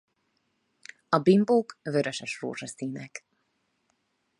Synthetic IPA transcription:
ɒbimboːkvøɾøʃɛʃro̰ːʒɒsiːnɛk

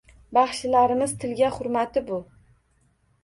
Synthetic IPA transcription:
bɑχʃɪlaɾɪmɪz̥t̪ʰɪlɡʲaχʊɾmat̪ɪbʊ

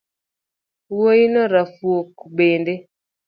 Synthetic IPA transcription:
wojinɔɾafwokbende

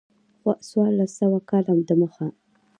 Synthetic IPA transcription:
xwaswɑɾlasawakɑlamd̪əməxa

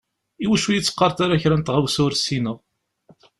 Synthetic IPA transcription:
iwæʃujit͡sːə̥qːɑɾˤt̪aɾaçɾænt̪ʁawsʊɾsinəʁ

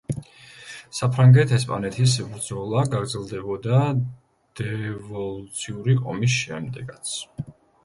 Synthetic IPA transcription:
sapʰɾaŋɡɛt̪ʰɛspʼa̰nɛt̪ʰis̬bɾd̪zɔlˠaɡaɡɾd̪zɛlˠd̪ɛbɔd̪a | d̪̥ɛvɔlˠut̪sʰiuɾiqʼɔ̰mis̬ʃɛmd̪ɛɡat̪sʰ

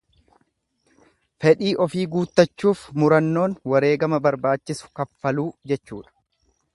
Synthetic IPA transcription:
fɛᶑiːʔɔfiːɡuːt̪ːɐt͡ʃːuːfmʊɾɐnːo̞ːnwɐɾe̞ːɡɐmɐbɐɾbaːt͡ʃːɪsʊ̥kɐfːɐluːd͡ʒɛt͡ʃːuːᶑɐ̥

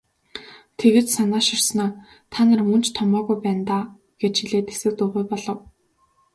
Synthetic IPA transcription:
t̪ʰeɣĕːt̪sanaːʃɪrsnɔː | t̪ʰaːnə̆rmɵnt͡ɕt̪ʰɔmɔːɣujpæːnt̪aː | ɡ̥et͡ɕiɮeːt̪e̥sɘ̆k̚t̪ʊːʁujpɔɮɞ̆w

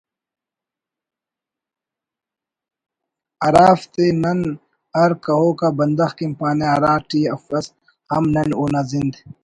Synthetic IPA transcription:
ɐɾaːft̪enɐn | ɐɾkɐɦoːkabɐnd̪ɐxkimpaːneɐɾaːʈiːɐfɐs | hɐmnɐnuːnazind̪

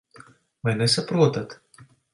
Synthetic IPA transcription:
vajnɛsapɾuɔt̪at̪

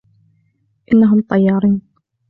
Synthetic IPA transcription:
ʔɪnːaɦʊmt̪ˤɑjːɑːɾˤiːn

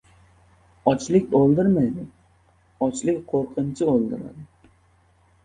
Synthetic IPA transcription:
ɒt͡ʃlɪk̚ʲolˠd̪ɪɾmajd̪ɪ | ɒt͡ʃlɪkʲqʰoɾqʰɨnt͡ʃʰɪolˠd̪ɪɾa̰d̪ɪ

